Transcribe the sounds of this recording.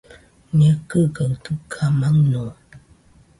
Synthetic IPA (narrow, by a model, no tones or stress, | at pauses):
njəkəɡəŋtəkʰamaŋnɔ